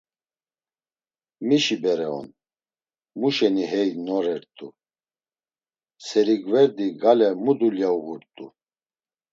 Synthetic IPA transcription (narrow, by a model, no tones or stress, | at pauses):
miʃibɛɾɛɔ̰n | muʃɛniɦɛjnɔɾɛɾt̪ʼṵ | sɛɾiɡvɛɾd̪iɡalɛmud̪uljauɣuɾt̪ʼṵ